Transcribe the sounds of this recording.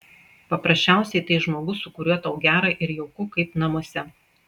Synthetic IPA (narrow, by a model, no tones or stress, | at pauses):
pɐpɾɐsʲt͡ʃʲæˑʊsʲɛɪt̪ɐɪʒmoːɡʊsʊkʊɾʲuɔt̪ɐʊɡʲæːɾɐʔɪɾjɛʊkʊkɐɪpnɐmoɔsʲɛ